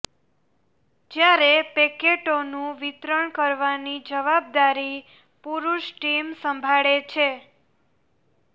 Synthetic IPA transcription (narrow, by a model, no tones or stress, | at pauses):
d͡ʒjaɾepekeʈonũʋit̪ɾəɳkəɾʋanid͡ʒəʋab̚d̪aɾi | puɾuʃʈimsəmbʱaɭet͡ʃʰe